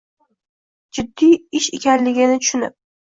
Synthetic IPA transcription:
d͡ʒʊd̪ːiɪʃekʲʰanlɪɡʲɪnɪt̪ʰʊ̥ʃʊnɪ̰p̚

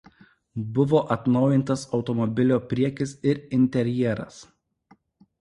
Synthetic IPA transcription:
bʊʋoːʔɐt̪nɒʊjɪnˑt̪ɐsɒʊt̪ɔmɔbʲɪlʲoːpʲɾʲiɛkʲɪsɪɾɪnʲt̪ʲɛɾʲjiɛɾɐ̰s

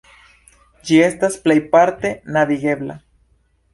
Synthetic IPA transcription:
d͡ʒiest̪asplejpaɾt̪enaβiɣeβla̰

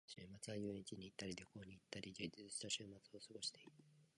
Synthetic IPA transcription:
ɕɨːmat͡sɨajoːẽɲit͡ɕiɲ̟it̪ːaɾʲid̪oko̞ːɲ̟iːt̪ːaɾʲid͡ʑɨd͡ʑiɨɕi̥t̪aɕɨːmat͡sɨo̞sɨɡo̞ɕi̥t̪e̞it̪ɯ̥

